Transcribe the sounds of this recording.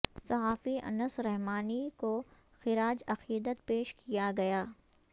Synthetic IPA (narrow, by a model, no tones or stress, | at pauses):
sɐɦaːfiɐ̰nəsɾɛɦmaːniko | xɪɾaːd͡ʒɐqiːd̪ət̪̚peːʃkʰijaɡɐjaː